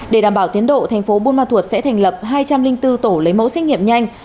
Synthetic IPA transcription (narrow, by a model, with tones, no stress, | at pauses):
ɗe˧˩ɗaː˧˩mɓaː˧˩wt̪i˨˦ənɗo̰˧˨t̪ʰa˨˩jŋ̟fo˨˦ɓu˧nmaː˧t̪ʰu˨˩ət̚sɛ̰˧˥t̪ʰɛ˨˩ŋ̟lə˨˩p̚ɦaː˧jt͡ɕa˧mlï˧ŋ̟t̪ɨ˧t̪o˧˩lə˨˦jmo̰˧˥sɛ˧˥k̚ŋḭ˧˨əmɲa˧jŋ̟